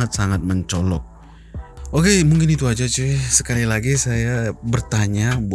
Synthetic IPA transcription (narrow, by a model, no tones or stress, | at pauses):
at̪̚saŋat̪̚məɲt͡ʃɔlɔ̰k̚ | okemuŋkɪnit̪uad͡ʒat͡ʃusəkalilaɡisajabərt̪aɲabu